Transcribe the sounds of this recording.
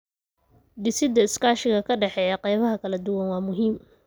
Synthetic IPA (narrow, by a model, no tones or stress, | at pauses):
ɖɪsɪd̪ɐɪskʰaːʃɪɣɐkʰɐɖɛħɛːjɐqɑjβɐɦɐkʰɐlɐd̪ʊwɐnwɑːmʊɦiːm